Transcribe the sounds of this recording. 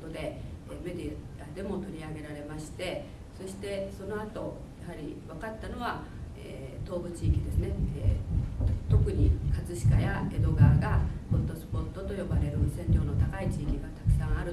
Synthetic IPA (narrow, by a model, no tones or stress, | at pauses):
t̪od̪e̞me̞d̪ʲi | ad̪e̞mo̞t̪o̞ɾʲiaɡe̞ɾaɾe̞maɕi̥t̪e̞ | so̞ɕi̥t̪e̞so̞no̞at̪o̞ | jaɦaɾʲḭβakat̪ːano̞β̞a | ḛːt̪o̞ːbɯ̟t͡ɕiːkʲid̪e̞sɨne̞eː | t̪o̞kɯ̟ɲ̟ikʰat͡sɨɕi̥kajae̞d̪o̞ɡaːɡakõnt̪o̞sɨ̥po̞t̪ːo̞t̪o̞jo̞baɾe̞ɾɯsẽ̞ɲɾʲo̞ːnot̪akait͡ɕiːkʲiɡat̪ḁkɯ̥sãɰ̃aɾɯ